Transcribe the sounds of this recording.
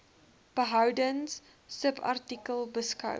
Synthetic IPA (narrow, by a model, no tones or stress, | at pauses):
b̥əɦɐwdənsː | əpʰa̰rtikəlˠbəskɐ̰w